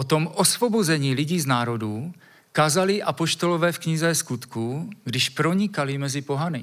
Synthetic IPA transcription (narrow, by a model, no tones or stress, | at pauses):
ot̪o̞mʔosvo̞bozɛɲiːlɪɟiːznaːɾo̞duː | kaːzalɪʔapo̞ʃt̪o̞lovɛːfkɲɪzɛskut̪kuɡdɪʃpɾo̞ɲɪkalɪmɛzɪpo̞ɦanɪ